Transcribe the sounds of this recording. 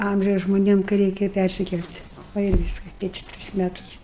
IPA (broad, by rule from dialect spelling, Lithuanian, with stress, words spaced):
ˈɐmʲʒʲɛʊs ʒmoːˈnʲiɛm kɐɪ ˈrʲɛɪkʲɛ ˈpʲærʲsʲɪkʲɛlʲtʲ ˈʋɐ ɪr ˈʋʲiːskɐs ˈtʲeːtʲɪs ˈtʲrʲɪs ˈmʲæːtʊs